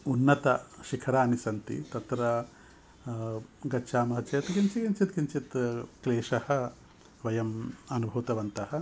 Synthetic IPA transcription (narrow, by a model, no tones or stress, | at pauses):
unːɐt̪ɐʃikʰɐɾaːnisɐnt̪ḭt̪ɐt̪ɾɐ | ɡɐːʃʰaːmɐɦɐt͡ʃɐjɐt̪ɡint͡ʃiɡint͡ʃit̪̚ɡiɲt͡ʃit̪kleːʂɐhɐ̆ | ʋɐjɐmɐnubʱɐʋt̪ɐʋɐnt̪ɐhɐ̆